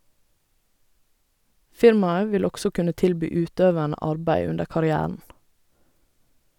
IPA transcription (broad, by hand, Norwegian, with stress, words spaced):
ˈfɪɾmɑə ˈʋɪl ˈɔɡsɔ ˈkʉnə ˈtɪlˌbyː ˈʉːˌtøːʋæɳə ˈɑɹbæɪ ˈʉndə kɑɾɪˈæːəɳ̩